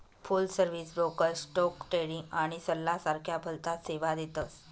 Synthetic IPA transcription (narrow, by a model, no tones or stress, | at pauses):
fulsəɾʋisbɾokəɾsʈɔkʈɾeɽĩŋɡaɽ̃isəlːasaɾkʰjabʱəlt̪aseʋad̪et̪əs